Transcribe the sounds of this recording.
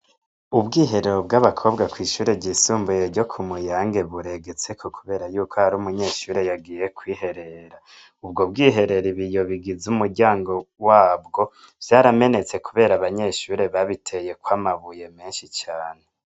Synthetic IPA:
ubɡiːɦe̞ɾeɾob̚ɡaβakʰo̞bɡakwiːʃuːɾeɟisuːmbujeɾɟo̞kʰumujaːŋɡe̞βuɾe̞ɡet͡se̞kʰo̞kuβe̞ːɾajuːkʰohaɾumuɲe̞ːʃuːɾe̞jaɡije̞kʰwiːhe̞ɾe̞ɾa | ubɡo̞b̚ɡiːɦe̞ɾe̞ɾiβijo̞βiɡizumuɾɟaːŋɡo̞waːbɡo̞ | v̥jaɾame̞ne̞t͡se̞kuβe̞ːɾaβaɲe̞ʃuːɾe̞βaβitʰeje̞kwaːmaβuje̞meːnʃit͡ʃaːne̞

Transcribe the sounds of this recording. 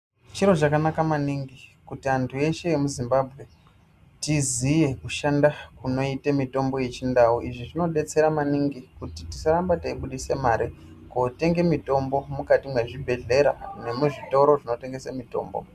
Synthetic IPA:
t͡ʃiɾo̞t͡ʃakanakamaniŋɡikutiantʰue̞ʃe̞je̞muzimbabʱɣe̞ | tizije̞kuʃandakuno̞itemito̞mbo̞je̞t͡ʃindauʔiʐiʐino̞ɗe̞t͡se̞ɾamaniŋɡikutitisaɾambataiɓuɗisemaɾi | kote̞ŋɡe̞mito̞mbo̞mukatimwe̞ʐibʱe̞ɮe̞ɾane̞muʐito̞ɾo̞ʐinote̞ŋɡe̞samito̞̰ːmbo̞̰

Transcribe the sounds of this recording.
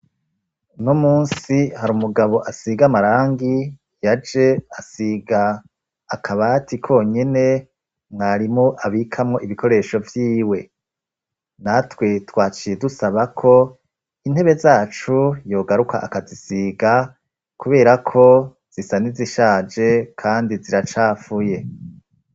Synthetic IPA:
numuːnsihaɾuːmuɡaβo̞ʔasiɡamaɾaːŋɡi | jad͡ʒe̞asiɡaː | kʰaβatikʰo̞ːɲe̞ne̞ | mŋaɾimŋoʔaβikʰamŋo̞ʔiβikʰo̞ɾe̞ʃo̞vjiːwe̞ | natwetwaːt͡ʃijedusaβakʰo̞ | in̥he̞βe̞zaːt͡ʃujo̞ːɡaɾukʰa̰ʔakazisiːɡa | kuβe̞ːɾakʰo̞ | z̥isaniziʃaːd͡ʒe̞kʰaːndiziɾat͡ʃaːfuje̞

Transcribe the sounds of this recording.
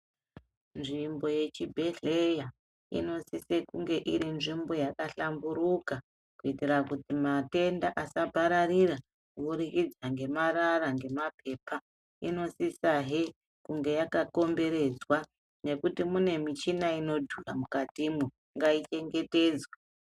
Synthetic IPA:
nʐimbo̞je̞t͡ʃibʱe̞ɮeja | ḭno̞sise̞kuŋɡe̞ʔiɾinʐimbo̞jakaɬambuɾuka | kuitiɾakutimate̞ndaʔasabʱaɾarira | uɾikid͡zaŋɡe̞mararaŋɡe̞mapʰe̞pa | ḭno̞sisaɦe | kuŋɡe̞jakako̞mbe̞ɾe̞d͡zwa | ne̞kutimune̞mit͡ʃinaino̞dʱuramukatimu | ŋɡait͡ʃe̞ŋɡe̞te̞ːd͡zwa

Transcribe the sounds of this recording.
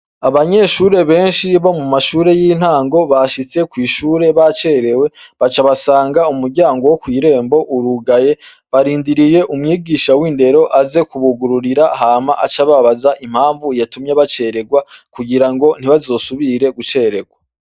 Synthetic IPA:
aβaɲe̞ʃuːɾe̞βe̞ːnʃiβomumaʃuːɾe̞jiːn̥haːŋɡo̞βaʃit͡se̞kwiːʃuːɾe̞βat͡ʃe̞ɾe̞we̞βat͡ʃaβasaːŋɡaumuɾɟaːŋɡo̞wokwiːɾe̞ːmbo̞ʔuɾuɡaje̞ | βaɾiːndiɾije̞ʔumŋiːɡiːʃawiːnde̞ɾo̞ʔaze̞kuβuɡuɾuɾiɾaɦaːmaʔat͡ʃaβaβazaʔim̥haːɱvujatumjaβat͡ʃe̞ɾe̞ɡwakuɡiɾaŋɡo̞n̥iβazo̞ːsuβiɾe̞ɡut͡ʃe̞ːɾe̞ɡwa

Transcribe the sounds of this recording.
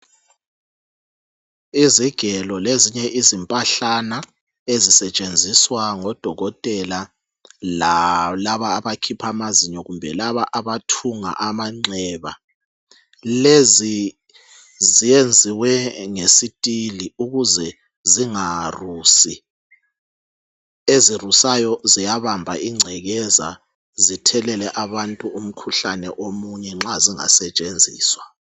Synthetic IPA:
iziɡ̥ʱɛlɔleziɲɛʔizimpʼaɬana | ezisɛt͡ʃʼend͡zʱiswaŋɔd̥ʱɔɣɔtʼɛla | lalaβaːβakʰipʰamaziɲɔɣumbʱɛ̰laβaʔaβatʰuŋa̰ʔamaŋ͡ǀɛβa̰ | lezi | zijend͡zʱiwɛŋesitʼiliuɣuzɛ | ziŋarusi | ezirusajɔzijaβambʱa̰ʔiŋ͡ǀʱɛɣɛza̰ | zitʰɛlɛlɛʔaβantʼuum̩kʰuɬanɛ̰ʔomuɲɛŋ͡ǁaziŋa̰sɛt͡ʃʼend͡zʱḭːswa

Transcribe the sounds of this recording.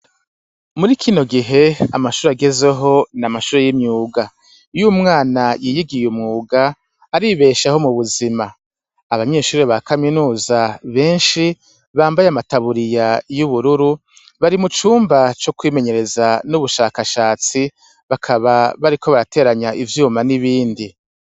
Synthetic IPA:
muɾikʰino̞ɡiɦe̞a̰maʃuːɾeaɡe̞ze̞ɦo̞namaʃuːɾe̞jimɲuːɡa | jumŋaːnajiːjiɡijumŋuːɡaː | ɾiβe̞ːʃaho̞muβuzima | aβaɲe̞ːʃuːɾe̞βakaminuːzaβe̞ːnʃi | βaːmbajeamataβuɾijajuβuɾuɾu | βaɾimut͡ʃuːmbat͡ʃokwiːme̞ɲe̞ɾe̞zanuβuʃaːkaʃaːt͡si | βakʰaβaβaɾikʰo̞βaɾate̞ːɾaɲaʔivjuːmaniβiːndi

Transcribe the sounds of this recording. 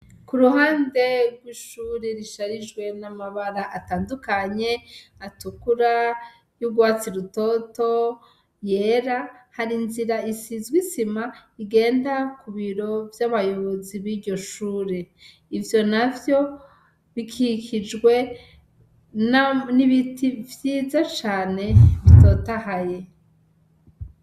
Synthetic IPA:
kuɾuɦaːnde̞ɡwiʃuːɾeɾiʃaɾid͡ʒɡwe̞namaβaɾaʔataːndukaɲe̞atukuɾa | juɡwaːt͡siɾuto̞to̞ | je̞ːɾahaɾinziɾaisizɡwisimaiɡe̞ːndakuβiɾo̞vjaβajoβoziβiɾɟo̞ʃuːɾe | ivjo̞navjo̞ | βikʰikid͡ʒɡwe̞ | nniβitʰivjiːzat͡ʃaːne̞βito̞ːtahaje̞

